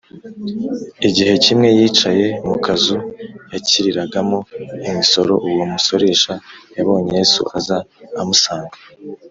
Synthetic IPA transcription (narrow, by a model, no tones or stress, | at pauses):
iɟihe̞cimŋe̞jiːt͡ʃaje̞mukʰazujaciɾiɾaɡamo̞imiso̞ɾo̞ʔuwomuso̞ɾe̞ʃajaβo̞ːɲejesṵʔazaːmusaːŋɡḁ